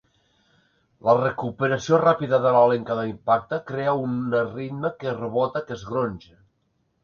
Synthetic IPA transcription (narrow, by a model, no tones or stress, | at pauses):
lərəkupəɾəsiorapiðəðələleŋkəðəimpak̚t̪əkɾeəunərit̪məkərəβ̞ot̪əkəzɣɾonʲʒe